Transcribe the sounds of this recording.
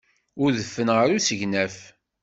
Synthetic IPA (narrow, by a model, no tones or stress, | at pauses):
ʊɾðəfːənʁəɾusəʝnæf